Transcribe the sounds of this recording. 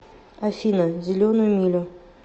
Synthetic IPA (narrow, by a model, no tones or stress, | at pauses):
afinazilonomilʲõ